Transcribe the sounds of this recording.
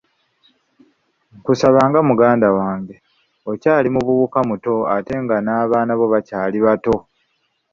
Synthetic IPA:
kusaβaːŋɡamuɡaːndawaːŋɡe̞ | o̞caːlimuβuβukamuto̞ate̞ŋɡanaːβaːnaβo̞βacaːliβato̞

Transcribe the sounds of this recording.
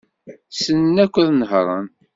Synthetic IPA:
sənnækʷːəðnəɦɾˤə̰n

